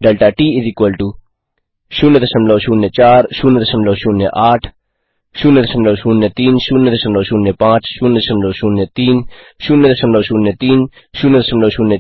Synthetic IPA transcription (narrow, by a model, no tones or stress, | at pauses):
d̪alt̪aʈiiðikualt̪u | ʃunɛðɛʃəmlɔʃunːɛt͡ɕaɾʃunɛðɛʃəmlɔʃunɛ̰ʔaʈ | ʃunɛðɛʃəmlɔwʃunːɛt̪inʃunɛðɛʃəmlɔʃunːɛpat͡ʃʃunɛðɛʃəmlɔʃunɛt̪inʃunɛðɛʃəmlɔʃunɛt̪in | ʃunɛðɛʃəmlɔʃunɛ